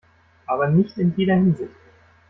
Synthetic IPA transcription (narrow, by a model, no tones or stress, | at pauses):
ʔaːbɐnɪçtɪnjeːdɐhɪnzɪçt